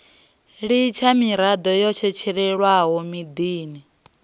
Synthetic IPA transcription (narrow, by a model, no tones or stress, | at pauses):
ɺit͡ʃʰamiɾad̪ɔjɔt͡ʃʰɛt͡ʃʰɛɺɛɺwaɦɔmid̪iːni